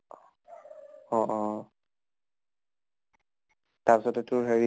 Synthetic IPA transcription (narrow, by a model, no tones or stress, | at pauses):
ɔ̃ʔɔ | taɹpisɔtɛtʊɹɦeɹi